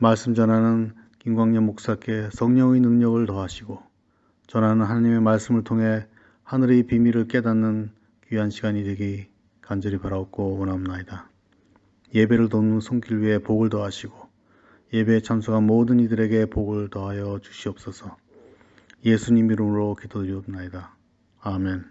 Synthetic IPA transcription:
maɭs͈ɯmd͡ʑʌnɦanɯn | kiŋɡwaŋɲʌmok̚s͈ak͈e̞sʰʌŋɲʌŋinɯŋɲʌɡɯɭtʌɦaɕʰiɡo | t͡ɕʌnanɯnɦanaɲime̞maɭs͈ɯmɯɭtʰoŋɦe̞ | hanɯɾipimiɾɯɭk͈e̞danːɯn | kuɦanɕʰiɡaɲidwe̞ɡi | kand͡ʑʌɾipaɾaok̚k͈oʌnamnaida | je̞be̞ɾɯɭtonɯnsʰoŋk͈ʰiɭɥiɦe̞poɡɯɭtʌaɕʰiɡo | je̞be̞ːt͡ɕʰamsʰuɡamodɯnidɯɾe̞ɡe̞poɡɯɭtʌɦajʌt͡ɕu̥ɕʰiʌp̚s͈ʌsʰʌ | je̞sʰuɲimːiɾɯmɯɾokidodɯɾjʌmnaidaː | me̞n

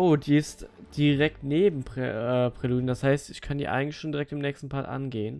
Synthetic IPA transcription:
ʔoːdiːɪstd̥iʁɛk̚tneːbm̩pɛːpʁ̥ɛluːdn̩dashaɪstɪçkʰandḭːʔa̰ɪɡŋ̩tl̩ɪçʃoːndiʁɛk̚tɪmnɛːçstn̩pʰaːtʔa̰nɡeːən

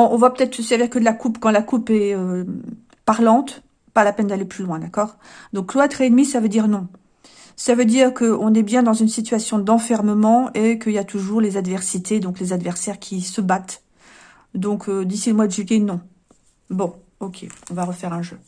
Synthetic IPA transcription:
ɔ̃ʔɔ̃vapø̥t̪ɛt̪χəsd̪iʁkəlakupkɑ̃lakupɛø | paʁlɑ̃t̪ | palapɛnd̪aleplylwɛ̃d̪akɔːʁ | d̪ɔ̃kːloat̪χɛːnmisavød̪iʁnɔ̃ | savød̪iʁkəɔ̃nɛbjɛ̃d̪ɑ̃zynsit̪ɥasjɔ̃d̪ɑ̃fɛʁməmɑ̃ekəiljat̪ʰuʒuʁlezad̪vɛʁsit̪ed̪ɔ̃klezad̪vɛʁsɛʁkʲʰisəbat̪ | d̪ɔ̃kʰød̪isiləmwad̪əʒyjenɔ̃ | bɔ̃ | ɔkʲʰeɔ̃vaʁəfɛʁɛ̃ʒø

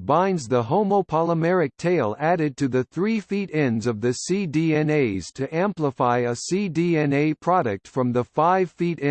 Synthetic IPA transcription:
bãɪ̃ndzðəɦõʊ̃moʊpʰɑlˠəmɛɹɨk̚tʰeɪlˠæɾɨd̚tʰɨðɨθɹifiɾɛ̃ndzʌvðɨsidiɛ̃neɪz̥tʰɨʔæ̃mpləfaɪəsidiɛ̃neɪpʰɹ̥ɑɾɨk̚tfɹʌ̃mðəfaɪv̥fiɾɪ̃

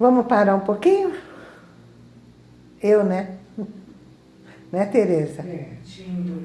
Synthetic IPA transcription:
vɐ̃mʊspaɾaũpokĩɲʊ | ewnɛ | nɛt̪eɾezɐt͡ʃ

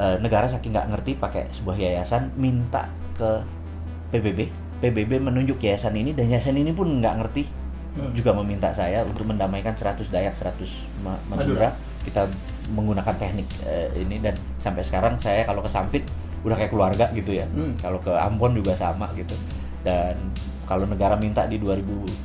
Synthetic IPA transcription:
ʔənəɡaɾas̬akɪŋɡa̰ʔŋərt̪ipakḛsəbuahjajasanmint̪a̰ʔ | kə | pebebe | pebebemənuɲd͡ʒʊkjajasaninidanjasaninipʊnŋɡa̰ʔŋərt̪i | d͡ʒuɡaməmint̪a̰ʔsajaunt̪ʊk̚məndamaikansəɾat̪ʊsdajaksəɾat̪ʊs | mamauɾa | kit̪a | məŋɡunakant̪ɛhnɪk | əḭnidan | sampajsə̥kaɾaŋsajakalokəsampɪt̪̚ | udahkajakəluarɡaʔɡit̪ujakalokəa̰mpɔnd͡ʒuɡasa̰maɡit̪u | dan | kalonəɡaɾamint̪a̰ʔdiduaɾibu

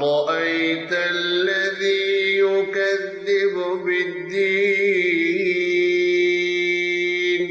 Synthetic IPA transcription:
ɾɑʔajt̪alːaðiːjʊkaðːɪbʊbɪd̪ːiː | n

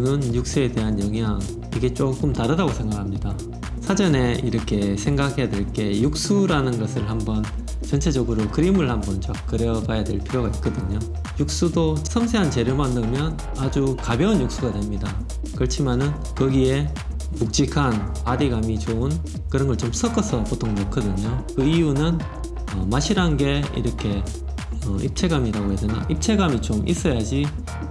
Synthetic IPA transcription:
nɯnjuk̚s͈ue̞de̞ɦanjʌŋɦjaŋ | iɡe̞t͡ɕ͈ok͈ɯmtaɾɯdaɡosʰe̞ŋɡakʰamɲida | sʰad͡ʑʌne̞iɾʌkʰe̞sʰe̞ŋɡakʰe̞jadwe̞ɭk͈e̞juk̚s͈uɾanɯnɡʌsʰɯɭhambʌn | t͡ɕʌnt͡ɕʰe̞d͡ʑʌɡɯɾokɯɾimɯɭhambʌnt͡ɕakk͈ɯɾjʌbajadwe̞ɭpʰiɾjoɡait̚k͈ʌdɯɲo | juk̚s͈udosʰʌmsʰeɦant͡ɕe̞ɾjomanːɯmjʌn | ad͡ʑukabjʌnjuk̚s͈uɡadwe̞mɲida | kɯʌɭt͡ɕʰimanɯn | kʌɡie̞ | puk̚t͡ɕ͈ikʰan | adiɡamit͡ɕoun | kɯɾʌnɡʌɭt͡ɕoms͈ʰʌk͈ʌsʰʌpotʰoŋnʌkʰʌdɯɲokɯijunɯn | ʌmaɕʰiɾanɡe̞ḭɾʌkʰe̞ | ʌip̚t͡ɕʰe̞ɡamiɾaɡoɦedena̰ʔip̚t͡ɕʰe̞ɡamit͡ɕomʔḭs͈ʌjad͡ʑi

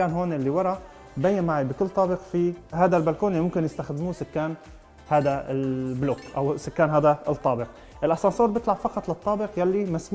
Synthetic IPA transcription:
aːnɦoːnʔɪlːiwɑɾˤɑ | bajːamaʕibɪkʊlːt̪ˤɑːbɪqfihaːd̪albalkoːnʔlːimʊmkɪnjɪst̪axd̪ɪmuːsʊkːaːn | haːd̪aɪlbloːkʔawsʊkːaːnɦaːd̪at̪ˤːɑːbɪq | ʔɪlʔɑsɑnsoːɾˤbɪt̪labfɑqɑt̪ˤlɪt̪ˤːɑːbɪqjalːimasm

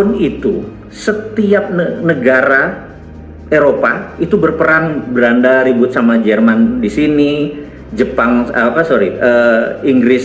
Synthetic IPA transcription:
ʊnit̪u | sət̪iap̚nənəɡaɾa | eɾopait̪ubərpəɾaŋbəɾandaɾibʊt̪̚samad͡ʒərmandisini | d͡ʒəpaŋa̰papasoɾiəiŋɡɾɪs

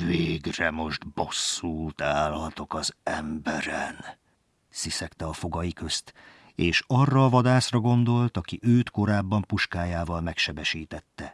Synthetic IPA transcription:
veːɡrɛmo̞ʒd̪bo̞sːuːt̪aːlɒt̪o̞kɒzɛmbɛɾɛn | sisɛkt̪ɛɒfo̞ɡɒjikø̞st̪ | eːʃɒrːɒːvɒd̪aːsrɒɡo̞nd̪o̞lt̪ɒkiʔøːt̪ko̞ɾaːbːɒmpuʃkaːjaːvɒlmɛkʃɛbɛʃiːt̪ɛt̪ːɛ

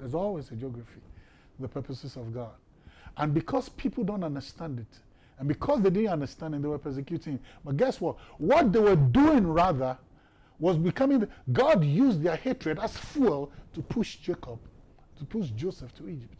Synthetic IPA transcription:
ðɛzɔlˠwezəd͡ʒɔɡɹəfi | ðəpʰɜ˞pəsɨzɔvɡɔd | ʔə̃nbikʰɔz̥pʰipʰl̩ˠdõntʌ̃ndə˞stãndɪt | ə̃nbikʰɔzðeɪdɪdⁿn̩tʌ̃ndə˞stãndɪ̃ŋðewə˞pʰɜ˞s̬ɛkjutɪ̃ŋbʌt̚ɡɛswɔtwɔt̚ðewəduɪ̃ŋɹaðə | wɔzbikʰʌ̃mɪ̃ŋɡɑdjuzðə˞hetɹ̥ɨdaz̥fulˠtʰupʰuʃd͡ʒekəb̚ | tupʰuʃd͡ʒosɛftʰuid͡ʒɪp̚t

